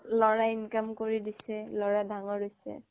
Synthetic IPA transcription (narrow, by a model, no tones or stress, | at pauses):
lɔɹainkamkoɹidisɛlɔɹadaŋɔɹojsɛ̰